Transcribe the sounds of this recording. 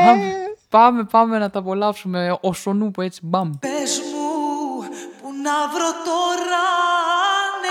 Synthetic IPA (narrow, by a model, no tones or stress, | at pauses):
mɐmpɐme̞pɐme̞nɐt̪ɐpo̞lɐpsume̞oso̞nupoe̞t͡sibɐmpezmu | punɐvɾot̪oɾɐ | n